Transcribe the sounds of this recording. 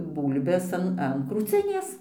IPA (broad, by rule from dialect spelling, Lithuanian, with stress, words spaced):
ˈbuːlʲbʲɛs ɐn ɐn kruːˈt͡sʲɪnʲeːs